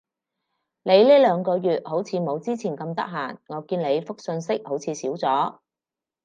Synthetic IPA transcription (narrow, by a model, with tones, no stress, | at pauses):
le˨˧jliː˥lœː˨˧ŋkɔː˧jyː˨t̚ho˨˥wt͡sʰiː˨˧mo˨˧wt͡siː˥t͡sʰiː˨˩nkɐ˧mt̪ɐ̰˥k̚ɦaː˨˩nŋɔː˨˧kiː˧nle˨˧jfʊ˥k̚sɵ˧nsɪ˥k̚ho˨˥wt͡sʰiː˨˧siː˨˥wt͡sɔː˨˥